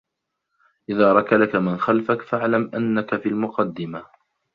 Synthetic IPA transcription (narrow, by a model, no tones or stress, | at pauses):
ʔɪðaːɾˤɑkalakamɪnxalfakfaʕlamʔanːakafiːlmʊqɑd̪ːɪma